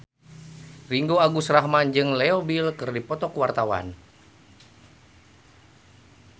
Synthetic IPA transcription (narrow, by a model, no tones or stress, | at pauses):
riŋɡoaɡusraɦmand͡ʒɨŋleobilkɨrdipɔt̪ɔkwart̪awa̰n